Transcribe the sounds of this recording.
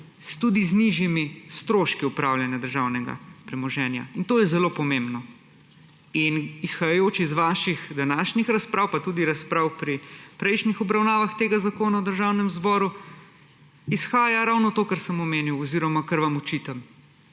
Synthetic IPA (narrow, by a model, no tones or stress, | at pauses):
st̪ud̪izniʒjimist̪ɾoːʃkiupɾaːwljanjad̪əɾʒawnɛɡa̰pɾɛmɔʒɛːnja̰int̪oːjɛzɛloːpɔmẽmbnɔ | inisxajajoːt͡ʃizʋaːʃixd̪anaːʃnixɾaspɾaːwpat̪uːd̪iɾaspɾaːwpɾipɾɛjʃnixɔbɾawnaːʋaxt̪eɡazakoːnaɔd̪əɾʒawnɛmzbɔːɾu | isxaːjaɾawnɔt̪oːkəɾsəmɔmeːniwɔziɾɔmakɐɾʋamɔt͡ʃit̪am